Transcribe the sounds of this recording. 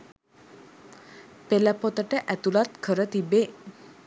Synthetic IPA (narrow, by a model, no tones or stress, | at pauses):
pelɛpot̪əʈəʔɛt̪ulat̪kʰəɾət̪ibe